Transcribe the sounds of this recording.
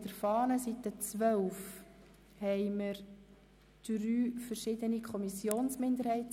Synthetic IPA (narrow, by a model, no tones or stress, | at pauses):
d̥əɾfɑːnəsit̪ət͡sʋœwf | hɛɪməɾ | d̥ryːfəɾʃɪd̪ənikʰχɔmisjoːnsmɪnd̪əɾhɛɪt